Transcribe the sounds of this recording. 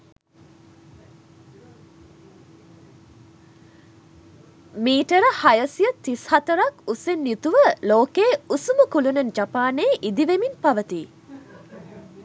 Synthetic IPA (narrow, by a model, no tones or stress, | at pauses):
miːʈəɾəhajəsijət̪ishat̪əɾakusenːut̪uʋəloːkeːusumukulunɐnd͡ʒapaːneːʔid̪iʋeminpaʋət̪iː